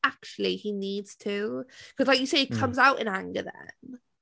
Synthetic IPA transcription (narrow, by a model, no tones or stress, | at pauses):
ak̚t͡ʃulˠiiniːdz̥tʰʉkʰʌzlaɪkjəseɪikʰʌ̃mzaʊtɪ̰̃nãŋɡə̰ðə̰̃n